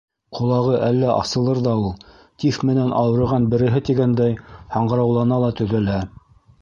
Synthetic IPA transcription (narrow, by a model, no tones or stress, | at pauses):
qʰŏlˠɑʁɤʔælːæʔɑ̰sɤ̆lˠɤɾðɑulˠ | t̪ifmɘ̆nænʔɑwɤ̆ɾɤ̆ʁɑnbɘ̆ɾɘ̆ɦɘt̪iɡænd̪æjhɑɴɢɤ̆ɾɑwlˠɑnɑlˠɑt̪ɵ̆ðæ̆læ